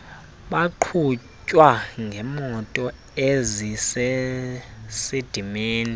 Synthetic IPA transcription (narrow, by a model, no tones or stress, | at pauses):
ɓaǃʰu | t͡ʃʼwaŋʱɛmɔtʼɔ | ezise | sid̥ʱimeːni